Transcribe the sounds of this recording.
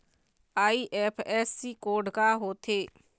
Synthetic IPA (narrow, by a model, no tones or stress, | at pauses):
aːiːʔɛːpʰɛːsːiːkoːɖkaːɦoːt̪ʰeː